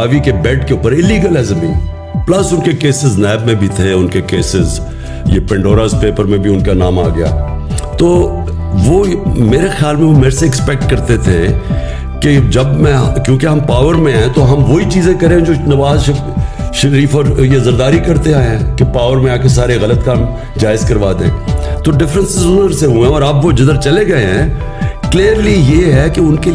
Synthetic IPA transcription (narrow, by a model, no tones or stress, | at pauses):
aːʋikebɛːʈkeʊpəɾɪlːiːɡəlɛzmḭ̃ | plɐsʊnkekeːsɪznɛːbmẽbʱit̪ʰeʊnkekeːsɪz | jḛpɛ̃ɳɖoːɾaːzpeːpəɾmẽbʱiʊnkanaːma̰ːɡɐja̰ːt̪oː | ʋomeːɾexjaːlmẽʋomeːɾseɪkspɛk̚ʈ̚kɐɾt̪et̪ʰe | ked͡ʒɐbmɛ̃kjõːkeɦɐ̃mpaːʋəɾmẽaːẽt̪oɦɐmʋoːit͡ʃiːzẽkɐɾẽd͡ʒoːnɐʋaːzʃɐ | ʃɐɾiːfɔːɾjezɐɾd̪aːɾikɐɾt̪eaːeɦɛ̃kepaːʋəɾmẽaːkesaːɾeɣɐlət̪kaːm | d͡ʒaːɪzkɐɾʋaːd̪eɦɛ̰̃ːt̪oɖɪfɾə̃nsɪzʊnəɾseɦuẽɔːɾɐbʋod͡ʒɪd̪əɾt͡ʃɐleɡɐeɦɛ̃ː | kliːəɾlijeɦɛkeʊnke